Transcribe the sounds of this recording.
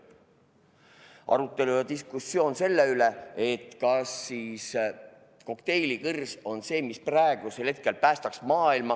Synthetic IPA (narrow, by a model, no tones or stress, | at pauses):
ɑ̰ɾut̪ːˑe̞lujɑd̪iskusːijo̞ːnse̞lːeyle̞e̞t̪kɑsːiːs | ko̞kt̪e̞jlikɯrso̞nse̞ːmisprɑeɡ̥uselhe̞t̪̚ke̞lpæːst̪ɑksmɑːilmɑ